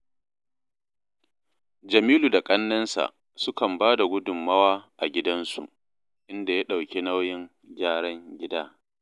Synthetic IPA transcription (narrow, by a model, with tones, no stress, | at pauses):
d͡ʒɐ˨miː˦luː˨da˨kʼɐ˦nːɐ˦nsa̰˨ʔ | sʊ˦kɐ˨mbaː˦da˨ɡʷʊ˦dʊ˨mːɐ˦waː˦ʔa˨ɡʲɪ˦dɐ˦nsṵ˨ | ʔɪ˦nda˨ja˦ɗa˨wkʲe˦na˦wjɪ˦ŋ | ɡʲaː˦ɽɐ˦ŋɡʲɪ˦daː˦